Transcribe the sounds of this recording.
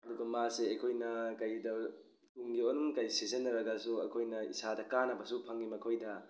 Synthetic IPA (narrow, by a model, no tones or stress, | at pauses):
ɐduɡɐmaseɐkʰojnɐkɐjdɐ | tuŋɡionumkɐjsezenːɐɾɐɡɐsuɐ̰kʰojnɐḭsadɐkanɐbɐsupʰɐŋːimɐkʰojdɐ